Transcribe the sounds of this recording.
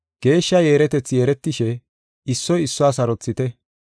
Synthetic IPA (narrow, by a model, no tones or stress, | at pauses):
ɡ̥e̞ːʃːɐje̞ːɾɛt̪ɛt͡sːjeːɾɛt̪ːɪʃɛ | ɪsːɔjɪsːʊaːsɐɾɔt͡sːɪt̪ɛ